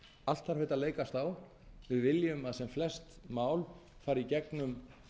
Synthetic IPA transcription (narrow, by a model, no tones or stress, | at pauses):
al̥t̪θaɾfeːt̪aleːjkast̪aw | vɪðvɪljʏmaðsɛmflɛst̪maːwl | faːjɾicɛknʏm